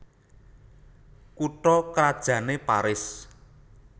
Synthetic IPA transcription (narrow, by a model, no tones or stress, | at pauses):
kuʈɔkɾad̥ʒ̥ä̤nepaɾɪs